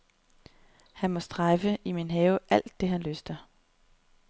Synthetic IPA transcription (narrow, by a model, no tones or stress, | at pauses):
hænmɒ̽sd̥ʁɑfəiminɦɛːʊʔæl̰d̥ːe̝ɦænløsd̥ɐ